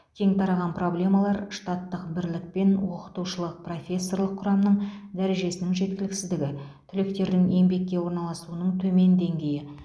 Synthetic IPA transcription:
kʲʰe̞ŋt̪ʰɑɾɑʁɑnpro̞blʲe̞mɑlˠɑɾʃt̪ɑt̪ːəqbɪɾlɪk̚pe̞nwo̞qə̥t̪uʃəlˠəq̚pro̞fʲe̞sːo̞rlˠəqʰːʊɾɑmnəɴd̪æɾe̞ʒe̞sɪnɪŋʒe̞t̪̚kʲɪlɪksɪzd̪ɪɡʲɪt̪ʰʏlɪkt̪e̞ɾd̪ɪŋe̞mbe̞kʲːe̞wo̞ɾnɑlˠɑsuənəɴt̪ʰɵme̞nd̪e̞ŋɡʲe̞jɪ

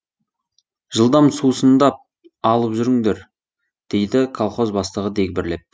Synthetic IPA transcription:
ʒ̥əlˠd̪ɑmsusənd̪ɑp̚ | ɑlˠəpʒʏɾɪŋd̪e̞ɾ | d̪̥e̞jd̪ɪkʰolˠχo̞zbɑst̪əʁəd̪ek̚ʲbɪɾle̞p̚

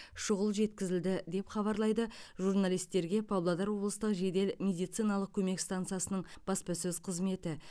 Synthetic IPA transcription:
ʃʊʁəlˠʒe̞t̪kʲɪzɪld̪ɪd̪e̞pχɑβɑɾlˠɑjd̪əʒurnalijst̪ːe̞ɾɡʲe̞pʰɑblˠad̪ɑɾwo̞blˠəst̪əqʒe̞d̪e̞lmʲe̞d̪ijt̪sɨjnɑlˠəq̚kʲʰɵme̞kst̪ant̪sɨjasənəɴb̥ɑspɑsɵzqʰəzme̞t̪ɪ

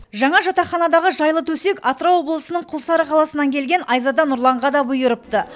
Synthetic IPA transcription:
ʒɑɴɑʒɑt̪ɑχɑnɑd̪ɑʁəʒɑjlˠət̪ʰɵse̞kɑt̪ɾowo̞blˠəsənəɴqʰʊlˠsɑɾəqʰɑlˠɑsənɑŋkʲʰe̞lɡʲe̞nɑjzɑd̪ɑnʊɾlˠɑɴʁɑd̪ɑbʊjəɾəp̚t̪ə

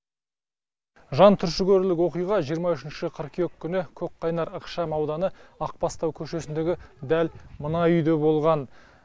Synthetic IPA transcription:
ʒɑnt̪ʰʏɾʃɪɡʲɵɾlɪkwo̞qijʁɑʒijəɾmɑʏʃɪnʃɪqʰəɾqʰjokʲːʏnɪkʲʰɵk̚qʰɑjnɑɾɑqʃɑmɑwd̪ɑnəɑq̚pɑst̪ɑwkʲʰɵʃe̞sɪnd̪e̞ɡʲɪd̪ælmənɑʏjd̪e̞bo̞lˠʁɑn

